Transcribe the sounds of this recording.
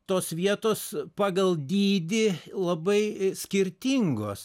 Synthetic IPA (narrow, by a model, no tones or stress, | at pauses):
t̪oːsʋʲiɛt̪oːspɑːɡɐlˠd̪ʲiːd̪ʲɪlˠɐbɐɪsʲkʲɪɾʲt̪ʲɪŋɡo̰ːs